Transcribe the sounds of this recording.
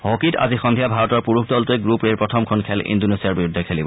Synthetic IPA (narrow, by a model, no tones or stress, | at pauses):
ɦokita̰zixɔndʱiabʱaɹɔtɔɹpuɹukʰdɔltuɛɡɹupɹeɹpɹɔtʰɔmkʰɔnkʰɛlʔḭndonesiaɹbiɹudʱɛkʰelibɔ